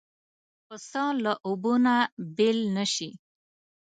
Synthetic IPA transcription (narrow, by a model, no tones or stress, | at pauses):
pəsɑ̃ləʔubunabelnəɕi